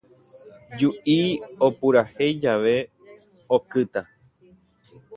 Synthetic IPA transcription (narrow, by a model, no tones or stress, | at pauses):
d͡ʒuʔio̞puɾahe̞jd͡ʒaʋe̞ | okɨt̪a